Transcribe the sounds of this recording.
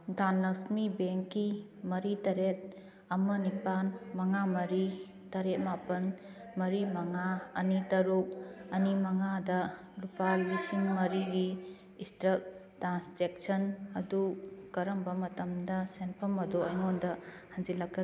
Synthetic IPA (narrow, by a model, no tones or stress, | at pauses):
danːɐsmibeŋkːimɐɾitɐɾet̚ | ɐmɐnipanmɐŋamɐɾi | tɐɾet̚mapɐn | mɐɾimɐŋaɐnitɐɾuk̚ɐnimɐŋadɐ | lupalisinmɐɾiɡiː | stɾɐk̚tɾansd͡ʒek̚sɐnɐdukɐɾɐmbɐmɐtɐmdɐsenpʰɐmɐduɐjŋondɐhand͡ʒilakːɐ